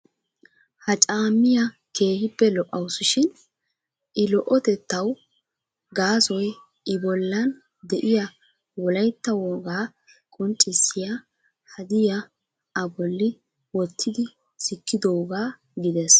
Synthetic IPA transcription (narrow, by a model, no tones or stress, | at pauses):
hɐt͡ʃʼaːmːɪjɐ | kʰe̞ːhɪbːɛlɔʔːɐwsʊʃɪn | ʔɪlɔʔɔt̪ɛt̪ːɐw | ɡaːsɔj | ʔɪbɔlːɐn | d̪ɛʔɪjɐ | wɔlɐjt̪ːɐwoːɡaː | kʼɔnt͡ʃʼːɪsːɪjɐ | hɐd̪ɪjɐ | ɐbɔlːɪ | wɔt̪ʰːɪd̪ɪ | sɪkːɪd̪o̞ːɡaː | ɡɪd̪ɛs